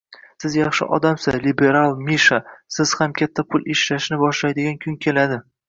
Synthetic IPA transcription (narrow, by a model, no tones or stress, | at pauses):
sɪzjɑχʃɪ̰ʔɒ̰d̪amsɪzlibe̞ɾalˠmiʃasɪz̥hamkʲʰat̪ʰːapʰʊlˠʔeʃlaʃnɪbɒʃlajd̪ɪɡʲankʲʰʊŋkʲʰe̞lad̪ɪ